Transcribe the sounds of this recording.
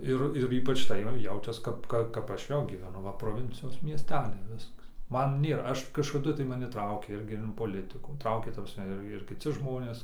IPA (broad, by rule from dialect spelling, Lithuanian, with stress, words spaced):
ˈɪr ɪr ˈiːpɐt͡ʃ tɐɪ ˈjɛʊt͡ʃʲɛs ˈkɐp ˈkɐ ˈkɐp ˈɐʃ ˈjɛʊ ɡʲiːʋʲɛˈnʊ ˈʋɐ proːˈʋʲɪnʲt͡sʲɪjoːs mʲiɛsʲˈtʲæːlʲɛɪ ˈʋʲɪskɐs ˈmɐn ˈnʲeːrɐ ˈɐʃ kɐʃkɐˈdʊ tɐɪ mɐˈnʲɪ ˈtrɐʊkʲeː ˈɪrʲɡʲɪ ɪn poːˈlʲɪtɨkuː ˈtrɐʊkʲeː tɐ prɐsʲˈmʲɛ ˈɪr ɪr kʲɪˈt͡sʲɪ ʒmoːnʲeːs